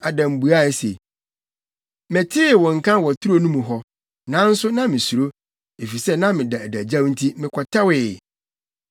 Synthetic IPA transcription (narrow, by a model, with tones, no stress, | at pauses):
a˨dã˨m̩˨bu˨a˦˨sḛ˨ | mɛ̃˨tʰɪ˦˨wɔ̃˨ŋ̩˨kʰã˦wɔ˨tʰu˦ɾo˦nũ˦mũ˨ɦɔ˦ | nã˨˦n̩˦sʊ˦nã˦mɪ̃˨su˨ɾo˦ | e˨fi˨sɛ˦nã˦mɪ̃˨da˨dæ˨d͡ʑã˦wn̩˦tʰi˦mɪ̃˨kʰɔ˨tʰa˦wɪ˨